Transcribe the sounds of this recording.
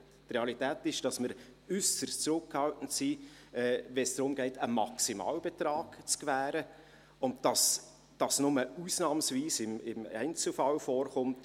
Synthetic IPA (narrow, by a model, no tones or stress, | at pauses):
trɛɑlitæːtɪʃd̥ɑsməɾʏsəɾst͡sɾʊkːhɑltn̩tsiːɛːvɛnsd̥ɾʊmɡ̥ɛɪtʰəmɑ̰ksimɑ̰ːlb̥ɛtɾɑːɡ̥t͡skvæːɾə | ʊntd̥ɑs | d̥ɑsnʊməuːsnɑːmsviːsɪmɪmæ̰ɪnt͡sl̩fɑlfɔːɾχʊmt